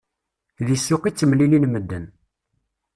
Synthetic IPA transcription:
ðisːʊqit͡sːəmlilinməd̪ːən

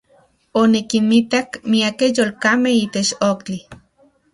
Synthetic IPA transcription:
onikinmit̪akmiakejolkamehiːt̪et͡ʃokt͡ɬi

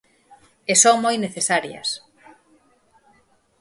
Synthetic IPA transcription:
esoŋmojneθesaɾjɐ̰s

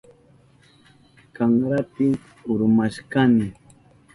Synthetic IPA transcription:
kaŋɾapɪ | ʊɾmaʃkanɪ

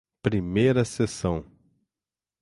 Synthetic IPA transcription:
pɾimejɾɐsesɐ̃w̃

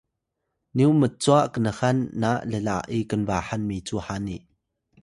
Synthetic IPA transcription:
niwmət͡suaʔkənəhɐnːaʔləlaʔikənvaːhɐnmit͡suːhaːniʔ

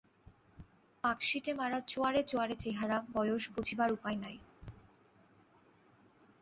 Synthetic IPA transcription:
akʃiʈemaɾat͡ɕoaɾet͡ɕoaɾet͡ɕeɦaɾabɔjoʃbod͡ʑʱibaɾupajnaj

